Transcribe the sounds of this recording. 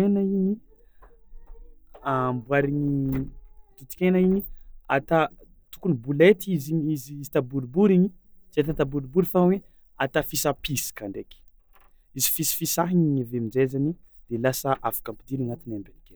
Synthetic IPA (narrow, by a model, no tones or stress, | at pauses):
enaiɲi | ambwaɾiɲi | t̪ut̪i̥kʲenaiɲia̰t̪a | t̪u̥kunibulet̪iziɲiziizit̪abuɾibuɾiɲi | zet̪at̪abuɾibuɾifawe | at̪afisapisi̥kaɳɖ͡ʐekʲ | izi̥fisi̥fisaɦiɲiɲavemid͡ʒezanid̪̥elasəʔavḁkampid̪iɾanat̪inambeniken